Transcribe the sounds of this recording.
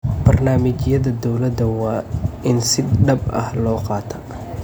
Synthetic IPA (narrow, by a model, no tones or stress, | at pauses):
b̥ɐrnaːmɪt͡ʃjɐðɐd̪ɔwlɐd̪ɐwɑːʔɪnsɪɖɐbʔɐ̰hlɔːqɑːt̪ʰɐ